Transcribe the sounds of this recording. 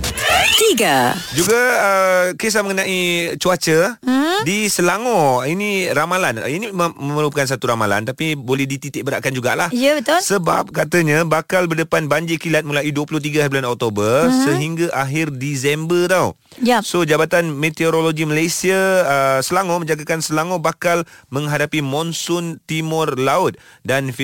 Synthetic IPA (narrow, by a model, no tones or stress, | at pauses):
t̪iɡad͡ʒuɡaəkes̬aməŋənãʔit͡ʃuat͡ʃədisəlaŋɔ̃iniɾamalan̰iniməməlukans̬at̪uɾamala̰nt̪apibolɛhdit̪it̪ɪʔ̚bəɾaʔkand͡ʒuɡa̰ʔlahijəbət̪ɔlsəba̰p̚kat̪əɲãbakalbərdəpanbaɲd͡ʒikilat̪̚mulajiduəpulʊht̪̬iɡahabulanɔk̚t̪obərsəɦiŋɡaʔaɦɪrdisɛmbət̪aw | jasod͡ʒabat̪anmet̪ioɾoloɡiməlajsiasəlaŋɔ̃mə̃ɲd͡ʒaɡakansəlaŋɔ̃bakalmə̃ŋɦadapimɔnsʊnt̪imɔrlaʊt̪̚danf